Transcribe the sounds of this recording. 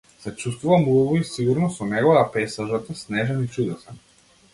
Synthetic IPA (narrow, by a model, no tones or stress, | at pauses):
sat͡ʃust̪vuvamuɔvɔisiɡuɾnɔsɔnɛɡovat̪apɛsaʒat̪asnɛʒɛnit͡ʃud̪ɛsan